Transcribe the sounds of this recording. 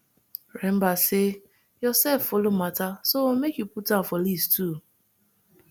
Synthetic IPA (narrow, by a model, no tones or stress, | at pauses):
ɾem̩base | jɔsɛffolomatasomekjuputafɔlistʰu